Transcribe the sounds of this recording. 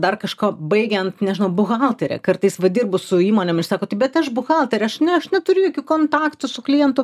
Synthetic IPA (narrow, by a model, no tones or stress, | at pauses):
d̪ɐrkɐʃkoːbɐɪɡʲɛnt̪nʲɛʒʲɪnɐʊbʊɣɑlˠt̪ʲɛɾʲɛ̰kɐrt̪ɐɪsʋɐd̪ʲiːrbʊsʊiːmoːnʲɛmɪrsɑːkoːt̪ɪbʲɛt̪ɐʃbʊxɑlˠt̪ʲɛɾʲɛɐʃnʲɛɐʃnʲɛt̪ʊɾʲʊjoːkʲukoːnt̪ɑːkt̪ʊsʊklʲijɛnt̪ʊ